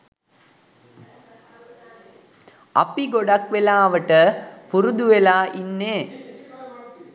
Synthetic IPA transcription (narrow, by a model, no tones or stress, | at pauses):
ɐ̰piɡoɖakʋelaːʋəʈəpuɾud̪uʋelaːʔinːeː